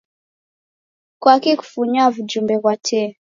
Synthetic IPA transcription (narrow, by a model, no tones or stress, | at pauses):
kwakiku̥fuɲavud͡ʒumbɛβwatʰɛ